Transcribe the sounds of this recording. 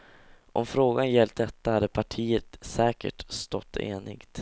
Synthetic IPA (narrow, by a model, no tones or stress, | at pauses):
ʔɔ̰mfɾoːɡanjɛlt̪̚d̪ɛt̪ːahad̪ːəpʰaʈʰiːət̪sɛːkə̰ʈst̪ɔt̪ʰːḛːnɪɡt̪